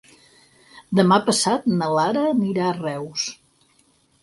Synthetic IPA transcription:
d̪əmapəsat̪nəlaɾəːniɾaərɛws

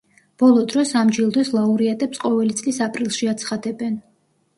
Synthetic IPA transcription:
b̥ɔlˠɔd̪ɾɔsamd͡ʒilˠd̪wɛslˠauɾiat̪ʼɛpsqʼɔvɛlit̪sʼlisapʼɾilˠʃiat̪sʰχad̪ɛbɛn

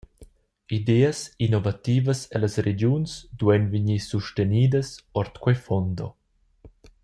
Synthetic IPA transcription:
id̪eːəsinɔvat̪iːvəsɛlasɾed͡ʒjunsd̪wɛnviɲisuʃteniːd̪əsɔɾt̪kwɛjfɔnd̪ɔ̰

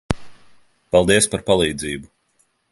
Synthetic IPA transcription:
pɑlˠd̪iɛspaɾpalˠiːd̪ziːbu

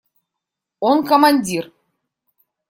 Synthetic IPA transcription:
onkomɑnʲdʲir

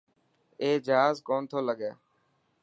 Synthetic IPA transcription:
eːd͡ʒaːzkoːnt̪ʰoːləɠjaː

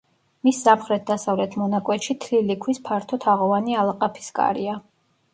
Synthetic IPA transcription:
misːamχɾɛt̪̚d̪asavlɛt̪ʰmɔnakʼwɛt̪ʃit̪ʰlilikʰwispʰaɾt̪ʰɔt̪ʰaʁɔvanialˠaqʼapʰi̥skʼa̰ɾia

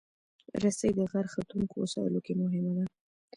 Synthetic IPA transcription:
ɾasajd̪əɣaɾxat̪uŋkosɑ̰jə̰lokemʊɦɪmad̪a

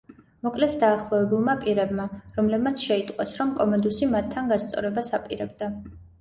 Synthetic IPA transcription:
mɔkʼlɛsd̪aːχlˠɔɛbulˠmapʼiɾɛbmaɾɔmlɛbmat̪sʰʃɛit̪ʼqʼwasɾɔmkʼɔmɛnd̪usimat̪ʰːanɡast̪sʼɔ̰ɾɛbasapʼiɾɛbd̪a

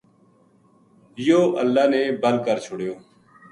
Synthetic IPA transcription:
joːʔəlːaːneːbəlkəɾt͡ʃʰʊɽjoː

